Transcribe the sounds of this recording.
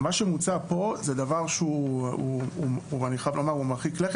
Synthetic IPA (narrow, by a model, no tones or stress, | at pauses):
maʃemut͡sapo̞zed̪avaʁʃeuuuuaniχajavlomaʁumaχikleχ